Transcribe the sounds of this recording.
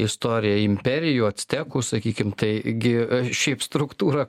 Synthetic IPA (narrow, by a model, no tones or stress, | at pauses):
ɪst̪oːɾʲɪjɛɪmʲpʲɛɾʲɪjuːɐt̪ʲsʲt̪ʲæːkʊːsɐkʲiːkʲɪmt̪ɐɪɡʲɪʃʲɛɪpst̪ɾʊkt̪uːɾɐ